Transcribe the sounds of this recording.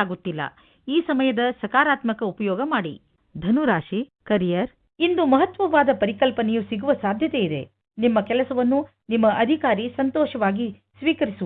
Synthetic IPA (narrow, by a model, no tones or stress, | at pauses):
aːɡut̪ːilːɐ̰ | iːsɐmɐjɐd̪ɐsɐkaːɾaːt̪mɐkɐupɐjɔːɡɐmaːɽi | d̪ʱɐnuɾaːʃikɐɾijɐɾ | ind̪umɐɦɐt̪ʋɐʋaːd̪ɐpɐɾikɐlpɐnejusiɡuʋɐsaːd̪ʱjɐt̪eid̪e̞̰ | nimːɐkɛlɐsɐʋɐnːu | nimːɐʔɐd̪ʱikaːɾisɐnt̪ɔːʃɐʋaːɡi | sʋiːkɐɾisu